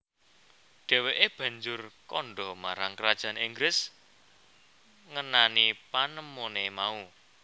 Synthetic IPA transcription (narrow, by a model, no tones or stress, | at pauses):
ɖ̥ɛ̤weʔeb̥ä̤ɲd͡ʒʊrkɔnɖɔmaɾaŋkəɾad̥ʒ̥a̤niŋɡɾɪs | ŋənanipanəmonemau